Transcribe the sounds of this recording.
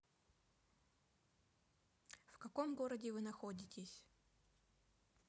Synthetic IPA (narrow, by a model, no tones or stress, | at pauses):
fkɐkomɡoɾədʲɪvɨnɐxo̞dʲɪtʲɪsʲ